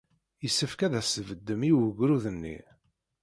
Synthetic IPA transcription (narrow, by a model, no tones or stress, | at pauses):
jəsːəfkæðæsəvəd̪ːəmiwəɡɾuðənːḭ